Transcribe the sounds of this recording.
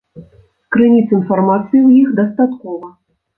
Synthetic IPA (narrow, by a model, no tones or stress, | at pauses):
skɾɨnʲit̪sinfarmat̪sɨjiwjixd̪ɐst̪at̪kɔvɐ